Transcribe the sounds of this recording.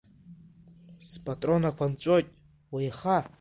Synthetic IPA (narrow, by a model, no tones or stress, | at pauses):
spʼatʼro̞nakʷʰant͡ʃʷʼojtʼ | wajχa